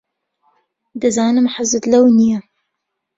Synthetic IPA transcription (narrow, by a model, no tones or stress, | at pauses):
d̪ɐzaːnɨmħazɨt̪lɐwnijɐ